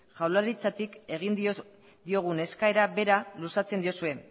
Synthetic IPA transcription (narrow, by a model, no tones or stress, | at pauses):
ʝawlaɾit͡sat̪ike̞ɣ̞ind̪ | d̪io̞ɣ̞une̞skae̞ɾaβe̞ɾalusat͡se̞nd̪io̞sue̞